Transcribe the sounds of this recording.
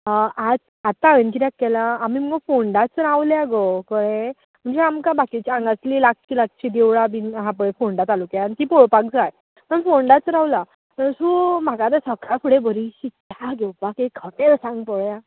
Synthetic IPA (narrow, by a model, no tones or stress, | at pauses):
əʔad͡z | at̪ːaʋənt͡ɕiɾakːɛlaːmim̤əŋɡəfoɳɖat͡sɾawljaɡokəɭe | m̤əɳd͡zeamkabakit͡ɕãŋɡat͡sliːlakt͡ɕilak̚t͡ɕid̪eʋɭabinɦãpəɭefoɳɖat̪alukjant̪ipɔɭpak̚d͡zaj | məɳfoɳɖat͡sɾãwla | t̪əɾsum̤akat̪̬əsəkakʰuɽebəɾiɕitaɡʱewpakekʰːəʈeɾsãŋɡpɔɭja